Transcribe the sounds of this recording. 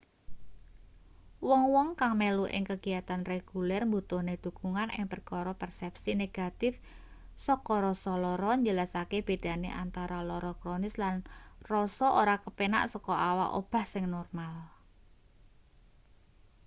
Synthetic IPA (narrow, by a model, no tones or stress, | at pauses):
wɔŋwɔŋkaŋmeluʔɪ̰ŋkəɡijat̪anreɡ̥ulɛrmbut̪ʊhned̪̥uɡ̥uŋanɪ̰ŋpərkɔɾɔpɛrsɛp̚sineɡ̥at̪ɪf | sɔkɔɾɔsɔlɔɾɔɲd͡ʒəlasakeb̥ed̪̥a̤nḛʔant̪aɾalɔɾɔkɾonɪslanrɔsɔʔoɾakəpena̰ʔsɔkɔʔawaʔo̰b̥a̤hsɪŋnɔrmal